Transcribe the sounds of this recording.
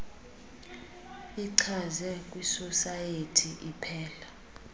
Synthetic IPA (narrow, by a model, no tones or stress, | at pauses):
iǀʰazɛkʼwisɔsajetʰiʔipʰɛːla